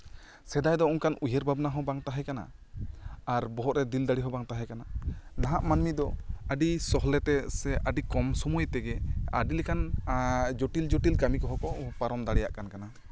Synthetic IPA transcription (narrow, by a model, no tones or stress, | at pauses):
sɛd̪ajd̪ɔɔŋkanʔujeɾbʱabnaɦɔ̃baŋt̪aɦɛkana̰ | aɾbɔɦɔʔɾɛd̪ild̪aɽiɦɔ̃baŋt̪aɦɛkananaɦaʔmanmid̪ɔəɖisɔɦlɛt̪ɛsɛʔəɖikɔmsumujt̪ɛɡɛa̰ɖilɛkan | d͡ʒɔʈild͡ʒɔʈilkamikɔɦɔkɔpaɾɔmd̪aɽɛja̰ʔkankana